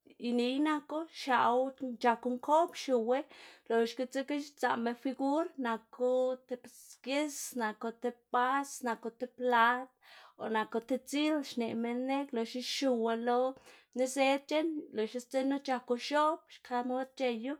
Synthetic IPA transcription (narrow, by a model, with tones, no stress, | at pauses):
i˨˧ni˧˦jna˧ko˦ʃa˨wt͡ʃa˧ku˧ŋko˦pʃu˨we˦lo˨ʃki˧t͡se˦ki˦ʃt͡sa̰˨me˧nfi˧ɡu˦ɾna˧ku˧˦t̪e˧p | ke˦sna˨ko˧t̪e˧pa˦sna˨ko˧t̪e˧pla˦t̪o̰˨na˨ko˧t̪e˧t͡si˦lʃne˨me˧nːe˦klo˨ʃi˦ʃu˧we˧lo˧˦ni˦se˦d̪̚t͡ʃe˦nlo˨ʃi˧st͡se˦no˦t͡ʃa˧ku˧ʃo˦p̚ʃkʰa˧˦mo˦d̪̚t͡ʃe˧ju˦